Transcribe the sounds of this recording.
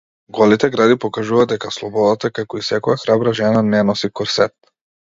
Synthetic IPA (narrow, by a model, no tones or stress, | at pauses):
ɡɔlit̪ɛɡɾad̪ipɔkaʒuvad̪ɛkaslˠɔbɔd̪at̪akakɔisɛkɔjaxɾabɾaʒɛnanɛnɔsikɔɾsɛt̪